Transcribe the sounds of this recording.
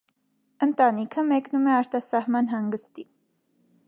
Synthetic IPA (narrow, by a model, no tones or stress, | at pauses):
ənt̪ɑnikʰəmɛknumɛɑɾt̪ɑsɑhmɑnɦɑŋɡəst̪i